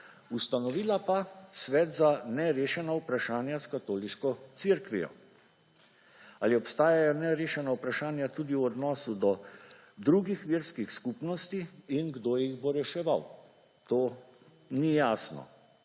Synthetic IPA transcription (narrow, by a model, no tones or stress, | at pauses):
ust̪anɔʋiːlapasʋɛːt̪zanɛɾeːʃɛnaupɾaʃaːnjaskat̪oːliʃkɔt̪siɾkʋijɔ̰ | aliɔpst̪aːjajɔnɛɾeːʃɛnaupɾaʃaːnjat̪uːd̪iuɔd̪nɔːsud̪ɔ | d̪ɾuɡixʋiɾskixskuːpnɔst̪iːnɡd̪oːjjiɣboɾɛʃɛʋaw | t̪oː | nijaːsnɔ̰